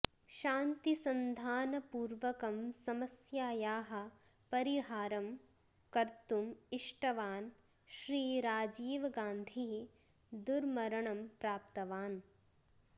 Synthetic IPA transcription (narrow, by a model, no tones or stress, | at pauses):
ʃaːnt̪isɐnd̪ʱaːnɐpuːɾʋɐkɐmsɐmɐsjaːjaːɦɐ̆ | pɐɾiɦaːɾɐm | kɐɾt̪umiʂʈɐʋaːn | ʃɾiːɾaːd͡ʒiːʋɐɡaːnd̪ʱi | d̪uɾmɐɾɐɳɐmpɾaːpt̪ɐʋaːn